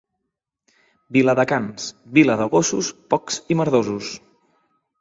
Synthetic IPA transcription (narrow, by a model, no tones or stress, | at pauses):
biləðəkansβiləðəɣosuspɔksiməɾðozus